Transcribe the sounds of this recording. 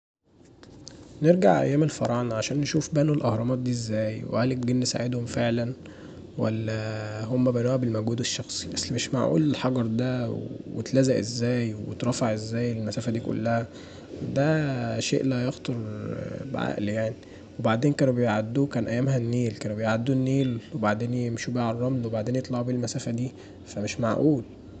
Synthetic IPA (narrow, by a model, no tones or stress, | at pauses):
neɾɡaʕʔæ̰jːæːmelfɑɾˤɑʕnʕaʃæːnːeʃuːfbænelʔɑhɾˤɑmɑːt̪̚d̪iːezːæːjwḛhælekɡenːesa̰ʕed̪homfeʕlæn | wæ̰lːæhomːæbænuːhæbelmæɡuːd̪eʃːɑxsˤi̥bæsːmeʃma̰ʕʔṵːlelħɑɡɑɾˤd̪æwwḛt̪læzæʔezːæːjwḛt̪ɾˤɑfeʕʔezːæːjelmæsæːfæd̪iːko̰lːæhæ | d̪æʃḛːʔlæhæjext̪ɑɾˤbʕa̰ʔljaʕni | webaʕd̪eːnkæːnbejʕad̪ːuːkæːnʔæjːæːmhænːiːlkæːnbejʕad̪ːuːnːiːlwebaʕd̪eːnjemʃuːbæʕɑrˤːɑmlwebaʕd̪eːnjet̪ˤlɑʕubiːlmæsæːfæd̪iː | fæmeʃmaʕʔuːl